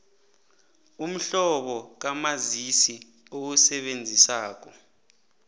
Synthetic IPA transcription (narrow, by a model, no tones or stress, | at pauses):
um̩ɬɔɓɔk̬amazisi | owusɛɓend͡zʱisaːk̬ɔ